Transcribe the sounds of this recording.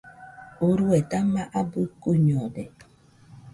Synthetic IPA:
oɾuɛtamaʔabɨkuɲɔdɛ

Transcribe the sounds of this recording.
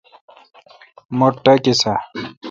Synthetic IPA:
moʈːɐkisa

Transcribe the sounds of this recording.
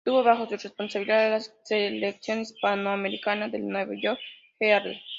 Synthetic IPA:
t̪uβoβaxosurespo̞nsaβiliðaðelaseleksjonispanoameɾikanaðelnweβoʝoɾk | eaɾðḛ

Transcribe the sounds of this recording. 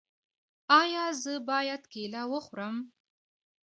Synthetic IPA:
ɑjɑzəbɑjad̪kelawəxɾəm

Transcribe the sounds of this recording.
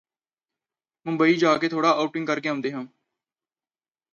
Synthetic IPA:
mʊ̃mbəiːd͡ʒaːkeːt̪ʰoːɽaːʔaːuːʈɪ̃ŋɡ̚kəɾkeːãːnd̪eːɦãː

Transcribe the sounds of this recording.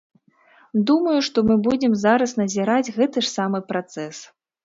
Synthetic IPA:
d̪umɐjuʂt̪ɔmɨbud͡zʲɛmzaɾɐsnɐzʲiɾad͡zʲɣɛt̪ɨʂsamɨpɾat̪sɛs

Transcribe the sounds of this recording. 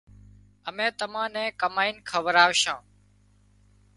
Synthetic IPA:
əmɛ̃ːt̪əmãːnɛ̃ːkəmaːiːnkʰəʋəɾaːʋʃãː

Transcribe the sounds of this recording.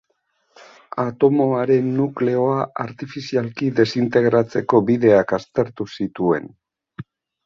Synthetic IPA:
at̪o̞mo̞aɾe̞nːukle̞o̞aaɾt̪ifisialkiðe̞sint̪e̞ɣɾat͡se̞ko̞biðe̞akast̪e̞ɾt̪usit̪ue̞̰n

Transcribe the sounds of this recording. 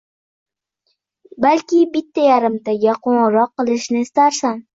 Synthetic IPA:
balkʲɪbɪt̪ʰːajaɾɪmt̪aɡʲaqʰoɴɾɒqːɨlˠɪʃnɪɪst̪aɾsam

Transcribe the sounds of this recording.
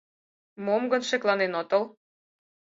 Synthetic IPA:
momɡə̆nʃeklɑnenot̪əl

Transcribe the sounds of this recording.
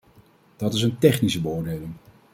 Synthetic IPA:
d̥ɑtɪs̬əntɛχnisəbəʊːɹdejlɪŋ

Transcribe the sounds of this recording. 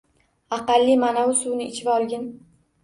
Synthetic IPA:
ɑqɑlːimanawʊsunɪɪt͡ʃʰɪbɒlˠɡʲɪn

